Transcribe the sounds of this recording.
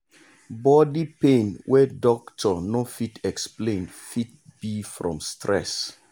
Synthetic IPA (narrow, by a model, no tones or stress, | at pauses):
bɔdipẽnwʔɛdɔktʰɔnofitʰɛksplẽnfit̚b̥ifɹɔ̰̃mstɹɛ̰s